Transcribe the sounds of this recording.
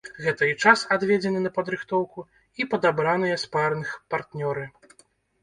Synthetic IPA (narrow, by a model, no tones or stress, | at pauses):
ɣɛt̪ɐit͡ʂasad̪vʲɛd͡zʲɛnɨnɐpɐd̪ɾɨxt̪ɔwku | ipɐd̪abɾanɨjɛsparnɨxpart̪nʲɔɾɨ